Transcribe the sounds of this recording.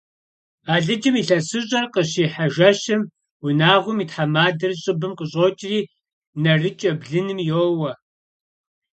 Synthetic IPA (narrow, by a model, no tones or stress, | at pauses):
aːɮɨd͡ʒɐmiːɬɐsɨɕʼɐrqəɕiːħaʒɐɕɐm | wʊnaːʁʷʊmiːtħamaːdɨrɕʼɨbɨmqəɕʼoːt͡ʃʼriː | nɐrɨt͡ʃʼɐbɮɨnɨmjoːwɐ